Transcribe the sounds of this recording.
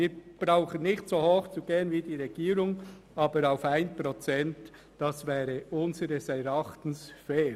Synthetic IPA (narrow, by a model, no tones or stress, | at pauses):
iːɾb̥ɾaʊχənnɪçtsoːhoːxt͡suɡeːənvidiːɾɛɡ̥iːɾʊŋ | ɑːbəɾaʊfaɪnpʁot͡sɛnt | d̥ɑsvɛːɾəʊnzəɾəsɛɾɑχt̪n̩sfɛː